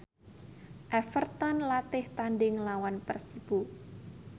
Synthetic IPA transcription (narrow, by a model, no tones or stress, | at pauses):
ʔɛfərt̪ɔnlat̪ɪht̪anɖɪŋlawanpərsib̥u